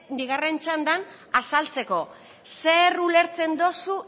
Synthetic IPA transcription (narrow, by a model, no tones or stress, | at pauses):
b̪iɣare̞nt͡ʃand̪an | asalt͡se̞ko̞ | se̞rule̞ɾt͡se̞nd̪o̞su